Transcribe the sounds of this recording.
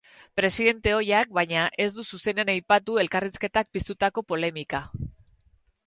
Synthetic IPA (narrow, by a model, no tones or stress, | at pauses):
pɾe̞siðe̞nt̪e̞o̞jak̚bajɲaʔe̞zd̪ususe̞nenajpat̪ue̞lkariske̞t̪ak̚pist̪ut̪ako̞po̞le̞mika